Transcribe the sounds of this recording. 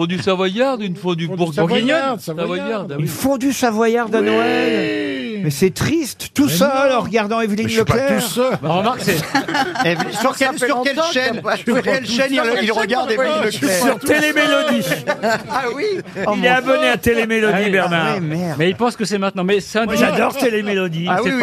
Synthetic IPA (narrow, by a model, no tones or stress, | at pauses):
fɔ̃d̪ysavwajaʁd̪ynfɔ̃d̪ybuʁuʁinɔnsavwajaʁd̪ilfɔ̃d̪ysavwajaʁd̪anɔɛɛlmɛsɛt̪χist̪t̪usœlɑ̃ʁəɡaʁd̪ɑ̃evlinləplɛuʁsəmaʁkse | vsyʁkɛsykɛlʃɛnyʁkɛlʃɛniilʁəɡaʁd̪evlinəssyʁt̪elemelɔd̪i | awiilɛabɔneat̪elemelɔd̪ibɛʁnaɛmɛʁdmɛilpɑ̃skəsɛmɛ̃t̪̚nɑ̃mɛsɛɛ̃d̪ʒad̪ɔʁt̪elemelɔd̪iawi